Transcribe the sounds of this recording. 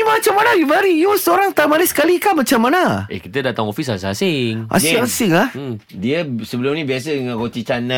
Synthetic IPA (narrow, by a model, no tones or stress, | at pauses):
imat͡ʃamanajumaɾijusəoɾaŋt̪amaɾɪsə̥kalikamat͡ʃamːanaʔḛkit̪ədat̪aŋofis̬asɪŋasɪŋʔa̰sɪŋasɪŋladiəsəbəlʊmnĩbias̬ədəŋãnkot͡ʃ̪it͡ʃana